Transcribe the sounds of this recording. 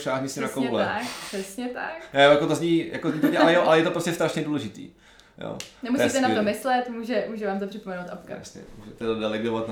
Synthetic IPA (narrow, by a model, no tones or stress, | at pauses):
ʃaːɦmɪsɪnakowlɛakpr̥ɛsɲɛt̪aknɛjakot̪ozɲiːjakozɲiːpoɲɛʔalɛjoʔalɛjɛt̪opɾoscɛfst̪aʃɲɛduːlɛʒɪt̪ḭː | jo̰ːnɛmusit̪ɛnat̪omɪslɛt̪muːʒɛmuːʒɛvaːmt̪̬oprɪpomɛnowt̪ʔapka̰sɲɛ̰muːʒɛt̪ɛdodɛlɛɡovat̪n